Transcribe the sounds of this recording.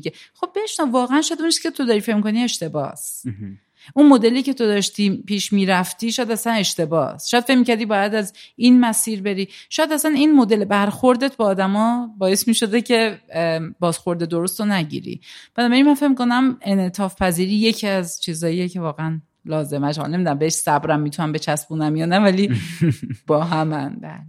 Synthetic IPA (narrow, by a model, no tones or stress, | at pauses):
iɡexo̞b̚ːeʃnævɒːɣeænʃɔjæd̪unt͡ʃʰiscʰet̪ʰo̞d̪ɒɾife̞cmiko̞nie̞ʃt̪e̞bɒ̰s | ʔunmo̞d̪e̞liːce̞t̪ʰo̞d̪ɒːʃt̪ʰipʰiːʃmiːɾæft̪iːʃɔjæd̪æsæne̞ʃt̪e̞bɒ̰sʃɔjæd̪̥fe̞cmicʰæɾd̪iːbɒːjæd̪æzinmæsiːɾbe̞ɾiːʃɔjæd̪æsæninmo̞d̪e̞lebæɾxo̞ɾd̪e̞t̪̚ʰbɒːd̪æmɒːbɒːje̞smiːʃo̞d̪e̞cʰe̞ | bɒːzxo̞ɾd̪ed̪oɾost̪onæɟḭːɾḭb̥ænɒːbæɾinmænfe̞cmikʰonæme̞net̪ʰɒːfpʰæziːɾiːje̞cʰiæzt͡ʃʰiːzɒːiecʰe̞vɒːɣeæn | lɒːze̞mæʃhɒ̰lnemid̪unæmbeeʃsæbɾæmːit̪ʰunæmbe̞t͡ʃʰæsbunæmjɒːnævæli | b̥ɒːɦæmænbæ̰ːle